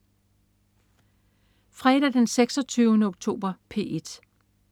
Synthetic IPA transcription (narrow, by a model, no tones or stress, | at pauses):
fʁɛd̥æd̥enseɡ̥sɒ̽t͡sʰyːʊnəɔɡ̥̚t͡sʰo̝̰ːb̥ɐpʰe̝̰ed̥